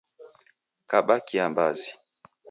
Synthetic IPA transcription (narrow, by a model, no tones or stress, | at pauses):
kaɓakiambazi